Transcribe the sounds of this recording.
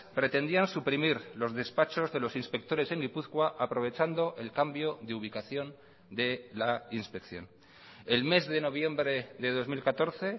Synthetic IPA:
pɾe̞t̪e̞nd̪iansupɾimiɾlo̞zðe̞spat͡ʃo̞zðe̞lo̞sinspe̞k̚t̪o̞ɾe̞se̞ŋɡipuθkwaʔapɾo̞β̞e̞t͡ʃand̪o̞ʔe̞lkambjo̞ðeuβ̞ikaθjo̞n | d̪e̞lainspe̞kθjo̞̰n | elme̞zðe̞no̞β̞je̞mbɾe̞ðe̞ð̞o̞zmilkat̪o̞ɾθe̞

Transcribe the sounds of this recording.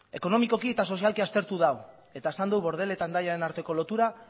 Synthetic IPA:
e̞ko̞no̞miko̞kie̞t̪aso̞sialkiast̪e̞ɾt̪uð̞aw | e̞t̪ae̞sand̪uwβo̞ɾð̞e̞le̞t̪and̪ajaɾe̞naɾt̪e̞ko̞lo̞t̪uɾa

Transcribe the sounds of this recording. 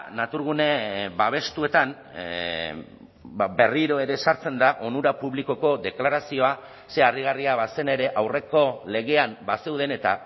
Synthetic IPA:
nat̪uɾɣ̞une̞baβ̞e̞st̪ue̞t̪an | be̞riɾo̞e̞ɾe̞saɾt͡se̞nd̪aʔo̞nuɾapuβliko̞ko̞d̪e̞klaɾasio̞a | se̞ariɣ̞ariaβase̞ne̞ɾe̞ʔawre̞ko̞le̞ɣ̞e̞ambase̞wðe̞ne̞t̪a̰

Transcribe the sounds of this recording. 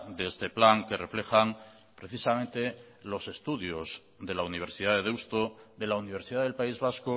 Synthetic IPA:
ðeest̪e̞plaŋke̞re̞fle̞xaŋ | pɾe̞θisamẽnt̪e̞ | lo̞se̞st̪uðjo̞z | ðe̞launiβ̞e̞ɾsiðaðeðewst̪oðe̞launiβ̞e̞ɾsiðaðelpaizβ̞asko

